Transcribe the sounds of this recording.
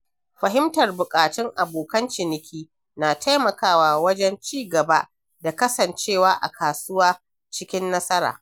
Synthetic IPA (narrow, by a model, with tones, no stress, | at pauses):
ɸɐ˨ɦɪ˦mtɐ˨rbʊ˨kʼaː˨tɪ˦ŋʔa˨boː˨kɐ˦nt͡ʃɪ˨nɪ˨kʲʰiː˦ | naː˨tʰa˦jmɐ˨kaː˦˨waː˨wɐ˦d͡ʒɛ˦nt͡ʃiː˦ɡɐ˨ba˦ | da˨kɐ˦sɐ˨nt͡ʃeː˦˨waː˦ʔa̰˨kʰaː˨sʊ˦waː˦ | t͡ʃɪ˦kʲɪ˦nːɐ˦sɐ˦ɾa̰ː˨